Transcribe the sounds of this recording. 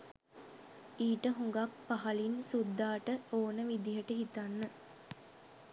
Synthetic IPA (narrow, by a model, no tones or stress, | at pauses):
iːʈəɦuŋɡakpaɦɐlinsud̪ːaːʈəoːnəʋid̪iɦəʈəɦit̪anːə